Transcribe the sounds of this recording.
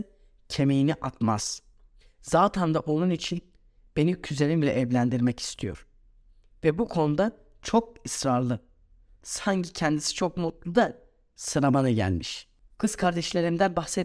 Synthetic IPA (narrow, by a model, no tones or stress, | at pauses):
cʰe̞me̞jiniʔat̪ma̰z̥ | z̥aːt̪ʰand̪aʔo̞nˠunit͡ʃʰin | b̥e̞nicʰyze̞lʲimlʲɛ̰ʔɛvlʲænd̪iɾmɛci̥st̪ʰijo̰ɾ̥ | vɛbukʰo̞nud̪an | t͡ʃʰo̞k̚isɾaɾlˠɯ | saɲcicʰɛnd̪isi̥t͡ʃʰok̚mut̪lˠud̪a | sɯɾamanɯɟæ̰lʲmiʃ | kʰɯz̥kʰaɾd̪ɛʃlʲe̞ɾimd̪ænbaxsɛ